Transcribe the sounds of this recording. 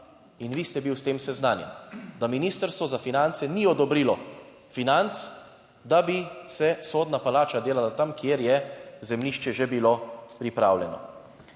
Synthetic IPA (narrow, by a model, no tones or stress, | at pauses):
inʋiːst̪ɛbiwst̪eːmsɛznaːnjɛ̰nd̪aminiːst̪əɾst̪ʋɔzafinant̪sɛniɔd̪ɔbɾiːlɔ | finant̪s | d̪abisɛsoːd̪napalaːt͡ʃad̪eːlalat̪amkjeɾjɛzɛmliʃt͡ʃɛʒebilopɾipɾaːwlʲjɛnɔ̰